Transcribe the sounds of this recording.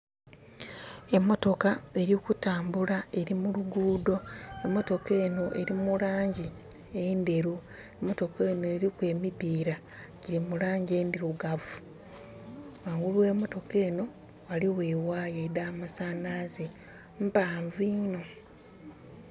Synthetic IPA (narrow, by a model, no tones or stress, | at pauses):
e̞mːo̞to̞kae̞ɾjiokutaːmbulae̞ɾimuluɡuːdo̞e̞mːo̞to̞ke̞ːno̞ʔe̞ɾimulaːɲɟi | ende̞ɾu | emːo̞to̞ke̞ːno̞eɾikwe̞ːmipiːɾa | ɟiɾimulaːɲɟe̞ːndiɾuɡavu | waŋɡuluwe̞ːmo̞to̞ke̞ːno̞ | waliweːwaːjedamasaːnalaze | mpaːɱviːno̞